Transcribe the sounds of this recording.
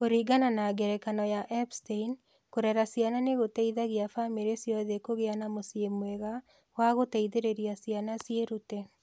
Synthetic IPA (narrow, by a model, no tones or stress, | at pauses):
koɾiɡananaɡɛɾɛkanɔjaʔɛpstein | koɾɛɾasjananeɣotɛiðaɣeafameɾesjɔðekoɣeanamosjemwɛɣa | waɣotɛiðeɾeɾiasianasjeɾutɛ